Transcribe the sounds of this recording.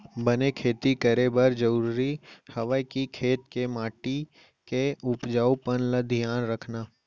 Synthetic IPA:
bənekʰeːt̪ikəɾebəɾd͡ʒəɾɾuɾihɐʋəkikʰeːt̪kemaːʈi | keʊpd͡ʒaːupənləd̪ʱijaːnɾəkʰnaː

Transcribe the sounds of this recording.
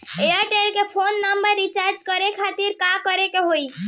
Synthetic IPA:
eəɾʈelkepʰonːəmbəɾːit͡ʃaɾd͡ʒkəɾekʰat̪iɾkakəɾekeɦoj

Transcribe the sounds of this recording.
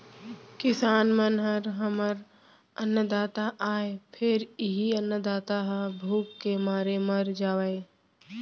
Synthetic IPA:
kɪsaːnmənɦəɾɦəməɾ | ənːəd̪aːt̪aʔaːepʰɪɾɪɦiənːəd̪aːt̪aɦəbʱuːkːemaːɾeməɾd͡ʒaːwəe

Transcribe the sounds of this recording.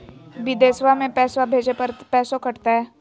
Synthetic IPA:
bid̪eːsʋamẽpɛːsʋabʱeːd͡ʒepəɾpɛːsokəɽt̪aɦɛː

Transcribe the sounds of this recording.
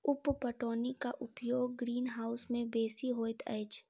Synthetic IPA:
ʊppəʈoːnikaʔʊpjoːɡ̚ːɾiːnɦaːʊsmẽbeːsiɦoːɪt̪ʰɛ̰ːt͡ʃ

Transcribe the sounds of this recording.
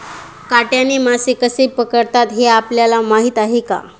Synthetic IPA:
kaʈjaniːmasekəsepəkəɽt̪at̪ɦeapljalamaɦiːt̪aɦeka̰

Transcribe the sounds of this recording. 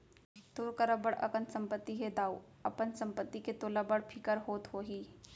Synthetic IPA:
t̪uːɾkɐɾəbəɽɐ̰kənsɐ̃mpət̪ːiɦɛd̪aːu | ɐpənsɐ̃mpət̪ːiket̪oləbəɽpʰɪkəɾɦoːt̪hoːɦiː

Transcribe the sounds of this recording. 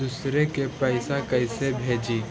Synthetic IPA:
d̪ʊsɾekepɛɪsakɐɪsebʱeːd͡ʒiː

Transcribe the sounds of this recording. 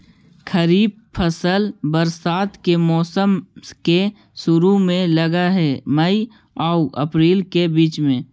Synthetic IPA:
kʰəɾiːb̚ | pʰəsəlbəɾsaːt̪kemɔːsəmke | ʃʊɾumẽləɡaɦɛməi | aːʊʔə̰pɾiːlkebiːt͡ʃmẽː

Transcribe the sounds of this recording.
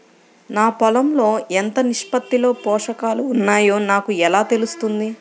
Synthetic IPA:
naːpɔlɐmlo̞ːent̪ɐniʂpɐt̪ːilo̞ːpɔːʂɐkaːluːnːaːjo̞ːnaːkuɛlaːt̪e̞lust̪und̪i

